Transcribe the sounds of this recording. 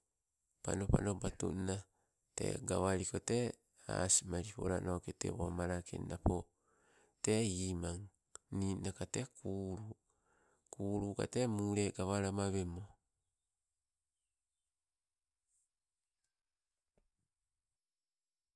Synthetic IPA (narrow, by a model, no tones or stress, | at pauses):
pa̰nopa̰nobatṵna | te̞̰ɡaβaɾiko̞te̞ | a̰simaɾipo̰ɾa̰noketḛβomaɾakʰḛnnapo | te̞iːmaŋ | ninakatekʰuːɾu | kuːɾuka̰temuɾeɡaβaɾamaβemo